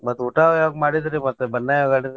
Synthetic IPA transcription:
mɐt̪ːuʈaaʋɐɡmaːɽid̪ɾimɐt̪ːubɐnːajɡaːɽid̪

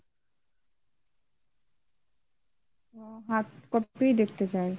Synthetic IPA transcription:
ɦaːt̪kɔiid̪eːk̚ʰt̪ed͡ʒaːẽ

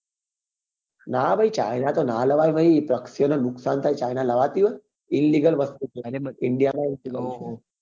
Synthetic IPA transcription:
naːʋɐit͡ʃa̰jnat̪onaːlɐʋaːjʋɐɦipɾɐksjɐnɐnuksaːnt̪ʰajt͡ʃajnalɐʋaːt̪iʋə | inliːɡəlʋɐst̪ut̪iiɳɖijamaiiɡ

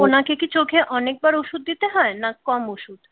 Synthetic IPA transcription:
onakekit͡ɕokʰeʔɔnek̚baɾuʃud̪̚ːit̪eɦɔenakɔmuʃud̪

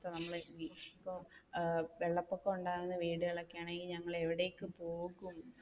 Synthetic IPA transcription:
t̪ːɐnɐmːɐɭipːo | ʋeɭːɐpːokːeuɳɖaːɾunːɨʋiːɽɨɣɐɭɐkːejaːɳe̞ŋɡilɲɐŋːɐɭe̞ʋiɽe̞jkːɨpoːɣum

